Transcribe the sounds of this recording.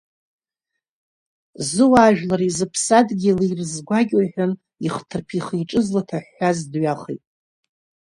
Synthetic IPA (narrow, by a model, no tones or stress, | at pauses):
zɨwaːʒᶣlaɾizɨpʰsadɡʲilirzɡʷaɡʲoħʷᶣan | iχtʰɨrpʰiχijʈ͡ʂʼɨzlatʰaħːazdɥaχḛjtʼ